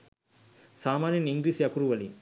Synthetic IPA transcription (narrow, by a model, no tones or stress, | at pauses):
saːmaːnjɐniŋɡɾiːsjɐkuɾuʋɐlḭ